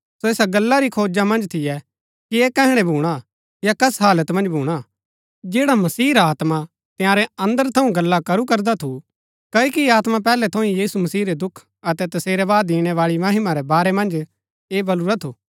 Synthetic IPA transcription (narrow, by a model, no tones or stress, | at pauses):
soeːsaɡɐlːaɾikʰoːd͡ʒamɐ̃nd͡ʒt̪ʰɪjɛ | kiekɛɦɪɽ̃ɛbʱuːɽ̃a | jakɐsɦaːlət̪mɐ̃nd͡ʒbʱuːɽ̃a | d͡ʒeːɽamɐsiːɾaːt̪ma | t̪jãːɾɛɐ̃nd̪əɾt̪ʰɐũɡɐlːakɐɾukɐɾd̪at̪ʰu | kɐikiaːt̪map̬ɛːlɛt̪ʰɐ̃ĩjiːsumɐsiːɾɛd̪ʊkʰ | ɐt̪ɛt̪ɐseːɾɛʋaːd̪ĩːɽ̃ɛʋaːɭimɐɦɪmaɾɛbaːɾɛmɐ̃nd͡ʒ | eːbɐluɾat̪ʰuː